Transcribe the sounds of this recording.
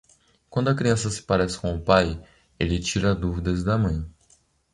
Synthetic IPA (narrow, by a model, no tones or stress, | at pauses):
kwɐ̃nd̪ʊɐkɾiɐ̃sɐsɪ̥paɾɛsɪ̥kõʊpaj | elɪt͡ʃiɾɐd̪uvid̪ɐzd̪ɐmɐ̃j̃